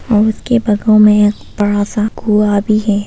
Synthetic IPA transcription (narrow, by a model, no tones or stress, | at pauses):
ɔːɾʊskebɐɡõmẽkb̥ɐɽasaɡuabʱiɦɛː